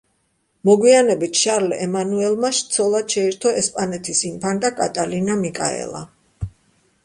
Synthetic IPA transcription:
mɔɡwianɛbit̪ʰʃaɾlɛɛmanuɛlˠmaʃt̪sʰɔlˠad̪ʃɛiɾt̪ʰɔɛspʼanɛt̪ʰisimpʰant̪ʼakʼat̪ʼalinamikʼa̰ɛ̰lˠa̰

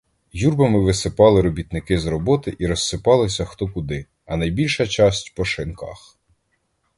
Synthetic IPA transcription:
jurbɐmɪʋɪsɪpɑlˠɪɾɔbʲit̪nɪkɪzɾɔbɔt̪ɪʔiɾɔsːɪpɑlˠɪs̬ʲɐxt̪ɔkʊd̪ɪ | ɐnɐjbʲilʲʃɐt͡ʃɑsʲtʲpɔʃɪnkɑ̰x

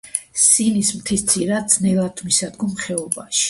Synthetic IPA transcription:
sinismt̪ʰist̪sʰiɾad̪snɛlˠat̪ʰmisad̪ɡɔmχɛɔbaʃi̥

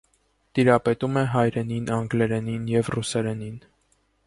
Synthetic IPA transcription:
t̪iɾɑpɛt̪umɛɦɑjɾɛninɑŋɡlɛɾɛninjɛvrusɛɾɛnin

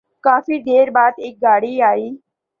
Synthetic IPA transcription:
kaːfiːd̪ʱeːɾbaːt̪eːk̚ɡaːɽiːaːiː

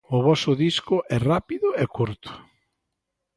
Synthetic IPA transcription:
ʊβɔsʊðiskʊʔɛrapiðʊɛkuɾt̪ʊ̥

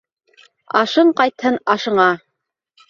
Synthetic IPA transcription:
ɑ̰ʃɤɴqɑjt̪hɤnɑʃɤ̆ɴɑ

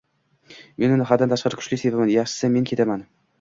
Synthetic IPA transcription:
menɪnɪχad̪ant̪aʃqɑɾɪkʰʊ̥ʃlɪsevamanjaχʃɪ̥sɪme̞nkʲʰe̞t̪aman

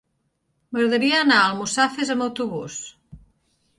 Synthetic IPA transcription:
məɣɾəðəɾiəaːnaəlˠmusafezəməwt̪uβus

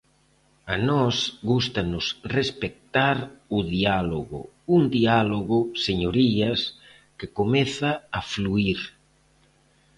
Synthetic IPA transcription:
anɔsɣust̪anʊsrespek̚t̪aɾʊðialoɣʊ̰ | und̪ialoɣoseɲoɾiɐs | kekomeθaːfluiɾ

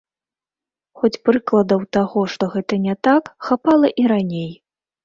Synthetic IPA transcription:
xɔt͡sʲpɾɨklˠɐd̪ɐwt̪aɣɔʂt̪ɔɣɛt̪ɐnʲɛt̪akxapalˠɐʔiɾanʲej

